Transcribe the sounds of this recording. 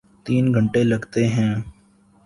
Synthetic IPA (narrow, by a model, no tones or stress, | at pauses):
t̪iːnɡʱə̃ɳʈelɐɡt̪eɦɛ̃ː